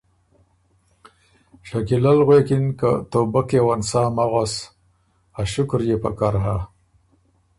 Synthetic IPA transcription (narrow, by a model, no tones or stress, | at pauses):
ʂakilalɣwekinka̰t̪obakewansaːmaɣas | aʃʊkɾjepa̰kaɾɦa